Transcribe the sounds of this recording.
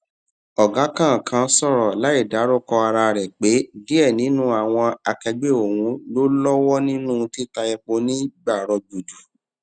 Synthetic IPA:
ɔ˨ɡa˨˦kã˦˨kʰã˧˦sɔ˦˨ɾɔ˨la˨˦i˦˨da˨˦ɾo˦˨kɔ˧a˧ɾa˧ɾɛ˨k͡pe˨˦di˦ɛ˦˨nĩ˨˦nũ˦a˨w̃ɔ̃˧a˨kɛ˧ɡ͡be˦˨o˨wũ˦lo˦lɔ˦wɔ˦nĩ˦nũ˦˧ti˦ta˧jɛ˧k͡po˧nĩ˦ɡ͡ba˦˨ɾɔ̃˧d͡ʒu˨du˨

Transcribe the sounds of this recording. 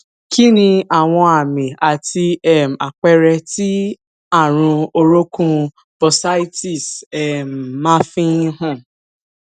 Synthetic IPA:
ki˦nĩ˧a˨w̃ɔ̃˧a˨mĩ˨a˨ti˧ɛ˨m˨a˨k͡pɛ˧ɾɛ˧ti˦ | a˦˨ɾ̃ũ˧o˧ɾo˦kũ˦ | bɔ˨sa˦ti˦˨sɛ˨m˨mã˦fĩ˦ĩ˦ɦɔ̃˦˨

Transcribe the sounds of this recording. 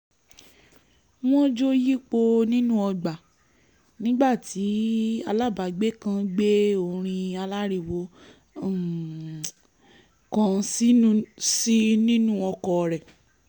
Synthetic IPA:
w̃ɔ̃˦d͡ʒo˦ji˦k͡po˧nĩ˦nũ˦ɔ˧ɡ͡ba˨ | nĩ˦ɡ͡ba˦˨ti˨˦a˧la˦˨ba˨ɡ͡be˦kã˧ɡ͡be˦o˧˨ɾ̃ĩ˧a˧la˦ɾi˧˨wo˨˦˨ | kã˦˧si˦si˦nĩ˦nũ˦ɔ˧kɔ˧˨ɾɛ˨

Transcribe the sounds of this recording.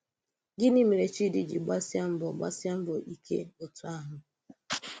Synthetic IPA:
ɡɪ˦ni˦me˨ɾe˨t͡ʃi˦di˨d͡ʒḭ˨ɡ͡ba˦sja˦m̩˦bɔ˨ɡ͡ba̰˦sja˦m̩˦bɔ˨ʔi˦kʰḛ˦o˨tu˨a˦ɦʊ˨

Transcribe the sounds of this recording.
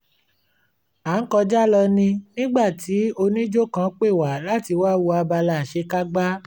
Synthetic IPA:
aː˨˦kɔ˧d͡ʒa˦lɔ˧nĩ˧nĩ˦ɡ͡ba˦˨tʰi˨˦o˧nĩ˦d͡ʒo˦˨kã˦k͡pe˦˨wa˨la˦ti˧wa˦wu˧a˧ba˧la˧˨ʃe˧˦ka˦ɡ͡ba˦

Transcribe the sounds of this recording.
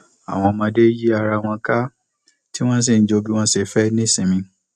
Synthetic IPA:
a̰˨w̃ɔ̃˧mã˧de˦ji˦a˧ɾa˧w̃ɔ̃˧ka˦ | ti˦w̃ɔ̃˦s̬i˨n̩˨˦d͡ʒo˧bi˦w̃ɔ̃˧˦se˧˨fɛ˦nĩ˦sĩ˨mĩ˧

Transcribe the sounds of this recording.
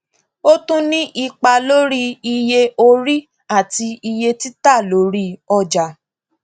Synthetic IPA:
o˦tũ˦nĩ˦ʔi˧k͡pa˧lo˦ɾi˦i˧je˧o˧ɾi˦ | a˦˨ti˧i˧je˧ti˦ta˦˨lo˨˦ɾi˦ɔ˧d͡ʒa˨

